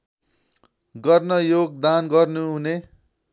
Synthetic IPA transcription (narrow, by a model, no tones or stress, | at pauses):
ɡʌrnʌjoɡ̚d̪anɡʌrnuɦune